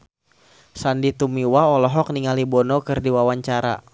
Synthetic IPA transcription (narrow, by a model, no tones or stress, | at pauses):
sandit̪umiwaɔlɔɦɔk̚niŋalibɔnɔkɨrdiwawaɲt͡ʃaɾa̰